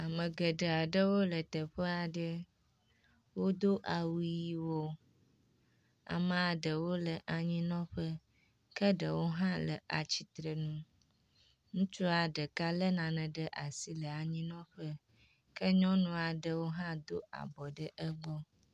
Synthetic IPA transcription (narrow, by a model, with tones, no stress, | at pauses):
a˨mə̃˨ɡə˨ɖə˨a˨ɖə˦wo˦lə˨t̪ə˨ɸə˦a˨ɖə˦ | wo˦d̪o˦ʔa˨wu˨˦ji˦wo˦ | a̰˨mə̃˨a˨ɖə˨wo˦lə˨ʔa˨ɲĩ˦nɔ̃˦ɸə˦ | kə˦ɖə˨wo˦ɦã˦lə̰˨ʔa˨t͡ɕi˨t̪ɾə˨nũ˦ | ŋũ˦t͡ʃu˦a˨ɖə˨ka˦lə˦nã˨nə̃˨ɖə˦ʔa˨si˦lə˨a˨ɲĩ˦nɔ̃˦ɸə˦ | kə˦ɲɔ̃˦nũ˦a˨ɖə˦wo˦ɦã˦d̪o˦ʔa̰˨bɔ˨ɖə˦ʔə˦ɡ͡bɔ˦